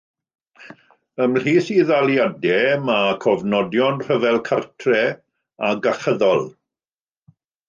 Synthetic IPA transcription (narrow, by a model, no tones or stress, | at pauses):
əml̥iːθiðalˠjadɛmakʰɔvnɔdjɔnr̥əvɛlˠkʰartʰrɛ | aɡaχəðɔlˠ